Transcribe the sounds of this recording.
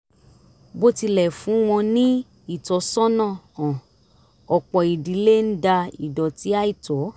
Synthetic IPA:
bo˦ti˧lɛ˦˨fũ˨˦w̃ɔ̃˧nĩ˦ | i˦˨tɔ˨˦sɔ̃˦nã˦˨ɔ̃˨ | ɔ˨k͡pɔ˨i˨di˨˦le˦n̩˦da˧ḭ˨dɔ˨ti˨˦a˦i˦˨tɔ˨˦

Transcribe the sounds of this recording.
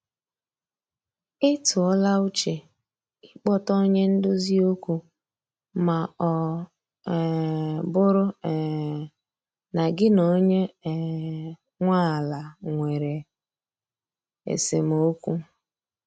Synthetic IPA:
ɪ˦tʊ˨ɔ˦la˦u˦t͡ʃe˨ | ɪ˦k͡pɔ˦tɔ˦ɲe˦n̩˦dʊ˦zi˦o˦kʷu˦ | ma˨ɔ˨ | bʊ˦ɾʊ˦˨ | na˨ɡɪ˦no˦ɲe˦˨ | ŋʷa˦˨la˨ŋʷe˨ɾe˨ | ḛ˨se˨mo˦kʷu˦

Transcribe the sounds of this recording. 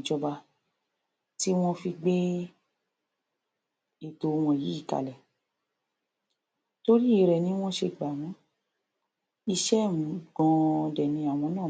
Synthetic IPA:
d͡ʒɔ˧ba˧ | ti˦w̃ɔ̃˦fi˧ɡ͡be˦ | e˨to˧˨˧w̃ɔ̃˧˨ji˨˦i˦˨ka̰˨lɛ˨ | to˧ɾi˦i˨ɾɛ˨nĩ˦w̃ɔ̃˦ʃe˧ɡ͡ba˨w̃ɔ̃˨˦ | i˧ʃɛ˦˨m˨ɡɔ̃˧dɛ˨nĩ˧a˨w̃ɔ̃˧˦nãː˦˨

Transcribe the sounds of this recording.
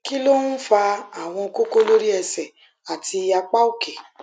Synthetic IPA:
ki˦lo˦n̩˦fa˧a˨w̃ɔ̃˧ko˦ko˦lo˦ɾi˦ɛ˧sɛ˨ | a˨ti˧ja˧k͡pa˦o˦ke˨

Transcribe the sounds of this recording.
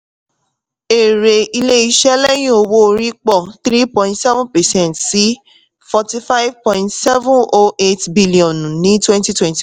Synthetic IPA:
e˨ɾe˨i˧le˦i˧ʃɛ˦lɛ˦j̃ĩ˦o˧wo˦˧ɾi˦k͡pɔ˦˨θɾi˦pɔ̃˨ĩ˦tsɛ˦vũ˦npɛ˨sɛ̃˦ntsi˨˦ | fɔ˧ti˧fa˦ɪ˦vpɔ̃˨ĩ˧ntsɛ˦vũ˦ʔo˦ʔe˦tbi˦li˨ɔ̃˨nũ˨nĩ˨˦twɛ̃˦nti˦twɛ̃˦nti˨

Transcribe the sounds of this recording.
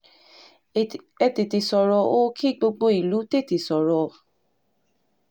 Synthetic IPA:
ɛ˧te˨te˨sɔ˨ɾɔ˧o˦kʰi˦˨ɡ͡bo˧ɡ͡bo˧i˨lu˨˦te˦˨te˨sɔ˨ɾɔ˨˧

